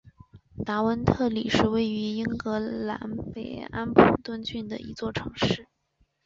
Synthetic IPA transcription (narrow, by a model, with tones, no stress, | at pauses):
t̪a˧˥wə˧˥nt̪ʰɤ˥˩li˨˩ʂɻ̩˥˧we˥˩ɪy˧˥i˥ŋkɤ˧˥la̰˧˥npe˨˩ɪa˥npʰu˨˩t̪wə˥nt͡ɕy˥˩nd̪ə̰˩i˧˥t͡swɔ˥˩ʈ͡ʂʰɤ˧˥ŋʂɻ̩˥˩